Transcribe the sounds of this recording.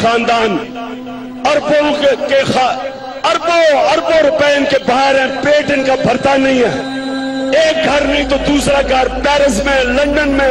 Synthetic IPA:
xaːnd̪aːn | ɐɾbokexa | ɐɾboɐɾboɾʊpɛɪnkebaːɦɪɾɦɛ̃ːpeːʈɪnkabʱɐɾt̪anɐɦĩɦɛː | eːk̚ɡʱɐɾnĩt̪od̪uːsɾaɡʱɐɾpɛːɾɪsmẽlɐ̃ɳɖənmẽ

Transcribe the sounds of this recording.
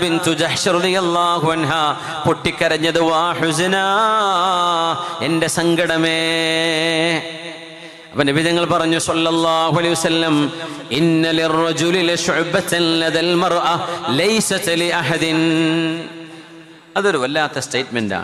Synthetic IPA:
bɪnt̪ud͡ʒɐħʃɾɑðijɐlˠˤːɑːɦuɐnɦaː | poʈːikʲːɐɾɐɲːɐðɨʋaːħʊznaː | ende̞sɐŋɡɐɽɐmeː | ɐpːɐnɐbid̪ɐŋːɐɭpɐrɐɲːusɐlːɐlˠˤːɑːhuʕalɐjiʋɐsɐlːɐmɪnːɐlirːɐd͡ʒulilʃʊʕbɐt̪nlɐðɐlmɐrʔɐlɐjsɐt̪liʔɐħɐd̪in | ɐðo̞ɾuʋɐlːaːt̪ːɐsteːtmenda̰ːɳ

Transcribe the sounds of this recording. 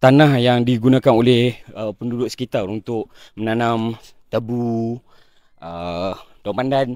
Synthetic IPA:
t̪anahjaŋdiɡunãkanolɛhəpəndudʊʔ̪sə̥kit̪arunt̪ʊk̚mənanam | t̪əbu | ʔəd̥awmpandan

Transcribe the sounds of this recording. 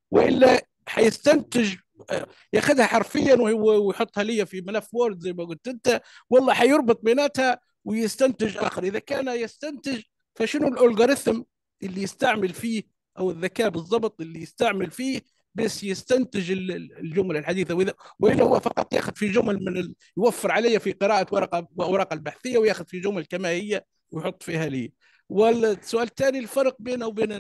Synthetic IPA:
wɪʔɪ̰lːa | ħajɪst̪ant̪ɪʒ | jaxad̪haħaɾfɪjːanwwwjħʊt̪ˤːhalɪjːafimalafːwoːɾɪd̪zajːmaɡʊlt̪ʔɪnt̪awɑlˤːɑːħajʊɾˤbɨt̪ˤbɪnaːt̪ha | wɪjɪst̪ant̪ɪʒʔa̰ːxɪɾʔɪðakaːnjɪst̪ant̪ɪʒ | faʃɪnʊlʔʊlɡaɾɪθm | ʔɪlːijɪst̪aʕmɪlfiːh | ʔæwɪðːakæːbɨzˤːɑbt̪ˤʔɪlːijɪst̪aʕməlfiːh | bæʃjɪst̪ænt̪ɪʒɪllʒʊmlalħad̪iːθawʔɪðæwʔɪlːæhʊwːæfɑqɑt̪ˤːjæ̰ːxʊd̪fiʒʊmlmɪnɪ | jwæfːəɾʕalɪjːafiqɨɾɑːʔawɑɾˤɑqɑwʔawɾˤɑːqɑlbaħθɪjːawjaːxʊd̪fiʒʊmllkæmæhɪjːa | wjħot̪ˤːfiːhæliː | wɪsʊʔæːlt̪æːnilfɑɾˤq̚biːnæwbiːn

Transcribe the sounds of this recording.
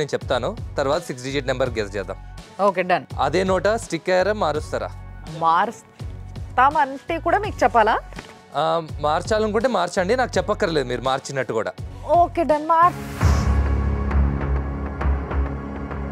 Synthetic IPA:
eːnut͡ʃɛp̚t̪aːnut̪ɐɾʋaːt̪ɐsiksɖid͡ʒiːʈnɐmbɐɾɡesd͡ʒɛːd̪a̰ːmoːkeːɖɐnɐ̰d̪e̞ːnɔːʈɐsʈikːɛːɾɐmːaːɾust̪ɐɾa̰ːmaːɾs | t̪aːmɐɳʈeːkuːɽaːmiːku̥t͡ʃɛpːaːlaː | maːɾt͡ʃaːlɐŋkuɳʈeːmaːɾt͡ʃɐɳɖinaːkut͡ʃɛpːɐkːɐɾɐle̞ːd̪umiːɾumaːɾt͡ʃinːɐʈːukuːɽa̰ːoːkeːɖɐnmaːɾ

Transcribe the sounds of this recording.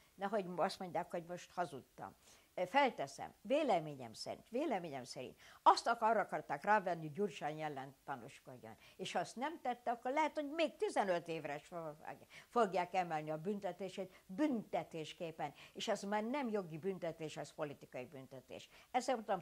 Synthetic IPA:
nɛɦo̞ɟɒst̪mo̞ɲɟaːkho̞ɟmo̞ʃt̪hɒzut̪ːɒ̰m | fɛlt̪ɛsɛ̰mveːlɛmeːɲɛ̰msɛ̰ɾḭnt̪ʋeːlɛmeːɲɛmsɛɾḭnt̪ɒst̪ɒkɒrːɒɒkɒrt̪aːkraːvɛnːihoɟuːrʃaɲjɛlːɛnt̪ːɒnuʃko̞ɟːo̰neːʃɒst̪nɛmt̪ɛt̪ːɛɒkːorlɛɦɛt̪ho̞ɟmeːk̚t̪izɛnøt̪eːvrɛʃf | foɡjaːkɛmɛlniɒbynt̪ɛt̪eːʃeːt̪bynt̪ɛt̪eːʃkeːpɛneːʃɛzmaːrnɛmjo̞ɡibynt̪ɛt̪eːʃɛspo̞lit̪ikɒibynt̪ɛt̪ḛːʃɛzɛt̪ɒm

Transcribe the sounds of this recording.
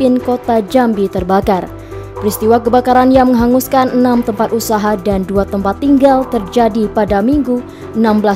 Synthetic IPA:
ɪnkot̪ad͡ʒambit̪ərbakar | pəɾist̪iwakəbakaɾanjaməŋɦaŋuskanənamt̪əmpat̪̚usaɦadanduat̪əmpat̪ːiŋɡalt̪ərd͡ʒadipadamiŋɡu | ʔənambəla

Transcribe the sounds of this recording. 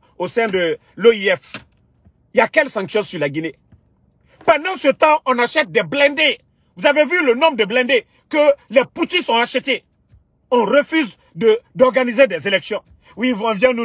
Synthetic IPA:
osɛ̃d̪ə | loiɛf | iakɛlsɑ̃ŋksjɔ̃syʁlaɡine | pãd̪ɑ̃sət̪ɑ̃ʔɔ̃naʃɛt̪̚d̪ɛblɛ̃d̪e | vuzavevylənɔ̃md̪əblɛ̃d̪e | kəlɛput̪isɔ̃aʃət̪e | ɔ̃ʁəfyz | d̪əd̪ɔʁɡanized̪ɛzelɛksjɔ̃ | wivɔ̃vjɛ̃nu

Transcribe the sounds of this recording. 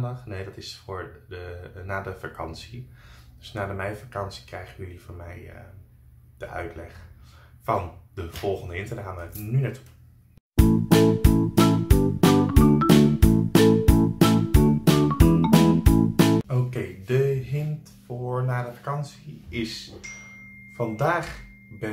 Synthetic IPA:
əχnejdɑtɪsfʊːɹdənaːdəfa̰kʰɑ̰nsid̥øsnaːdəmɛjfakɑnsi̥krɛjχəʋəivoːɹmɛ̰j | d̥əʔœ̰ɥtʰlɛ̰χ | fɑndəv̥ɔlˠχəndəɪntənaːmənynɛt | owkejdəɦɪnt | fʊːɹnaːdəfakɑnsiɪs | fɑndaːχ | bɛ

